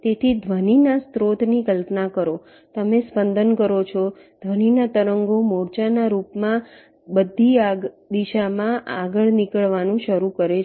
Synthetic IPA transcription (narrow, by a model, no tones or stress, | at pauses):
t̪et̪ʰid̪ʱʋəninast̪ɾot̪nikəlpnakəɾo | t̪əmespənd̪ʱənkəɾot͡ʃʰɔ | d̪̥ʱʋəninat̪əɾəŋɡomɔɾt͡ʃanaɾupmã | bəd̪ʱːia | d̪iʃamãʔaɡəɭnikəɭʋanũʃəɾukəɾe